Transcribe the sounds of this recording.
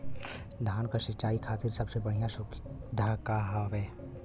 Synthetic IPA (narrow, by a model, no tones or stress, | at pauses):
d̪ʱaːnkasɪt͡ʃaːikʰaːt̪ɪɾsəbsebəɽ̤ijãsʊkd̪ʱakaɦaʋɛː